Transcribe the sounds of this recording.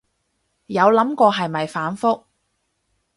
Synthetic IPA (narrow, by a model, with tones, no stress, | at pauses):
jɐ˨˧wlɐ˨˥mkɔː˧ɦɐ˨jmɐ˨jfaː˨˥nfʊ˥k̚